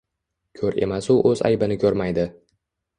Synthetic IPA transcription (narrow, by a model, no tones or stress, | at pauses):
kʲʰɵɾe̞̰masʊʔɵza̰jbɪnɪkʲʰɵɾmajd̪ɪ